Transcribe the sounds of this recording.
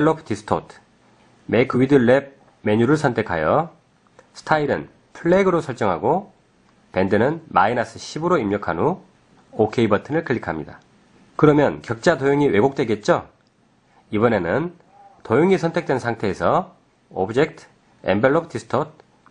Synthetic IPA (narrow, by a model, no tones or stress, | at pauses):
eɭːopʰtisʰɯ̥tʰotʰ | mekʰɯwidɯɭːeb̚ | me̞ɲuɾɯɭsʰʌntʰe̞kʰa̰jʌ | sʰɯ̥tʰaiɾɯ̰n | pʰɯɭːeɡɯɾosʰʌɭt͡ɕ͈ʌŋɦa̰ɡo | pe̞ndɯnɯnma̰inas͈ʰɯɕʰibɯɾoimɲʌkʰanu | okʰe̞ibʌtʰɯnɯɭkɯɭːikʰamɲida̰ | kɯɾʌmjʌnkjʌk̚t͡ɕ͈adojoŋiwe̞ɡok̚t͈we̞ɡe̞t̚t͡ɕ͈o | ibʌne̞nɯn | tojoŋisʰʌntʰe̞k̚t͈we̞nsʰaŋtʰe̞ːsʰʌ | obɯd͡ʑe̞k̚tʰ | ḛmbeɭːop̚ʰtisʰɯ̥tʰot̚ʰ